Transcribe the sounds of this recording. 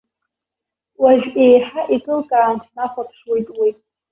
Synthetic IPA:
waʒᶣejħaʔikʼɨlkʼaːntʰnaχʷapʰʂwe̞jtʼwi

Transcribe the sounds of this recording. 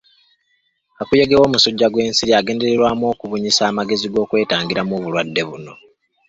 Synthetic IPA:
akujeɡewo̞ːmusuɟːaɡwe̞ːnsiɾiaɡe̞ːnde̞ɾe̞ɾwaːmo̞ːkuβuɲisaːmaɡe̞ziɡo̞ːkwe̞ːtaːŋɡiɾamoːβulwadːe̞βuno̞

